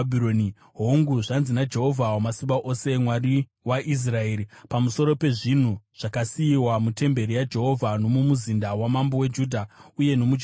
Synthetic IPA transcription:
bʱiɾoni | ɦoŋɡuʐanzinad͡ʒe̞ɦo̞vʱawamasimbaʔose̞mwari | waʔis̬rae̞ːɾipamuso̞ɾo̞pe̞ʐin̤uʐ̥akasiiwamute̞mbe̞ɾijad͡ʒe̞ɦo̞vʱano̞mumuzindawamambowe̞d͡ʒuːdʱauje̞no̞mud͡ʒ

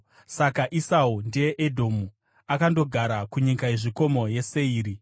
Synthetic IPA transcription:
sakaʔisaundeeʔedʱo̞ːmu | akando̞ɡʱaɾakuɲikaeʐiko̞mo̞je̞se̞iːɾi

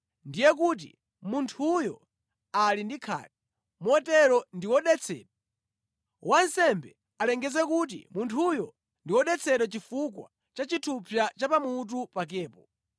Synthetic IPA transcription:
ndijɛkut̬ḭ | muntʰujɔ | alindikʰa̰ːta | mɛtɛɾɔndiwɔɗɛt͡sʰɛ̰ːɗɔ | wʔansɛmbɛ | alɛŋɡɛzɛkut̬ḭmuntʰujɔ | ndiwɔɗɛt͡sʰɛɗɔt͡ʃifukwa̰ | t͡ʃat͡ʃitʰupʰjat͡ʃapamut̬upak̬ɛːpɔ

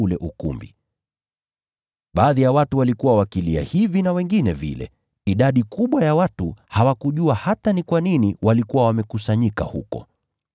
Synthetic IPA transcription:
ulɛʔukṵmbḭ | ɓaːðijawatuwalikuwawakilia̰hivinawɛŋɡinɛvḭlɛ̰ | iɗaɗikuɓwajawatuhawakuʄuahatanikwaniniwalikuwawamɛkusaɲika̰hukɔ̰

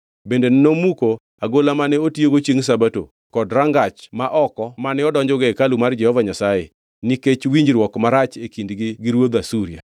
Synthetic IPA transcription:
bendennomuko | aɡolamanɛotjoɡot͡ʃiŋs̬abato̰ | kɔdɾaŋɡat͡ʃmaʔɔkɔmanɛɔdɔɲd͡ʒɔɡɛkalumard͡ʒɛhɔvaɲasajḛ | niket͡ʃwiɲd͡ʒɾwɔkmaɾat͡ʃekindɡɪɡiɾwod̪asuɾia̰

